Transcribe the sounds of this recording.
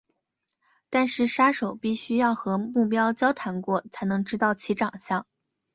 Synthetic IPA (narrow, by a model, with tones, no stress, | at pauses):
t̪a˥˧nʂɻ̩˥˩ʂa˥ʂo˨˩˦ʊpi˥˩ɕy˥jɑ˥˩ʊxɤ˧˥mu˥˩pjɑ˥ʊt͡ɕjɑ˥ʊt̪ʰa˧˥nkwɔ˥˩t͡sʰa˧˥ɪnɤ˧˥ŋʈ͡ʂɻ̩˥t̪ɑ˥˩ʊt͡ɕʰi˧˥ʈ͡ʂɑ˨˩ŋɕjɑ˥˩ŋ